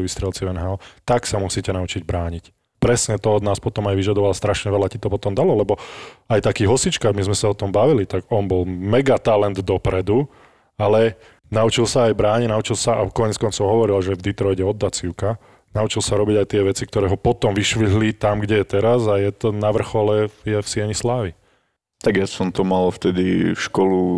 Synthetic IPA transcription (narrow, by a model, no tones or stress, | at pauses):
ʋist̪ɾɛlt͡siɛnɦaɔt̪aksamusicɛnaut͡ʃiɟbɾaːɲic | pɾɛsɲɛt̪ɔɔd̪naːspɔt̪ɔmajʋiʒad̪ɔʋalast̪ɾaʃɲɛʋɛlacit̪ɔpɔt̪ɔmd̪alɔlɛbɔajt̪akiːɦɔsit͡ʃkamizmɛsaɔt̪ɔmbaʋilit̪aɡɔnbɔlmɛɡat̪alɛnd̪ːɔpɾɛd̪u | alɛ | naut͡ʃilsaːjbɾaːɲɛnaut͡ʃilsaʔakɔɲɛt͡skɔnt͡sɔʊɦɔʋɔɾilaʒɛvd̪it̪ɾɔjɟɛɔd̪ːat͡siʊka | naut͡ʃilsaɾɔbiɟajt̪ɪɛʋɛt͡sikt̪ɔɾɛːɦɔpɔt̪ɔmʋiʃʋiɦlit̪amɡɟɛjɛt̪ɛɾazajɛt̪ɔnaʋr̩xɔlɛjɛfsɪɛɲislaːʋi | t̪aɡjasɔmt̪ɔmalft̪ɛd̪ifʃkɔlu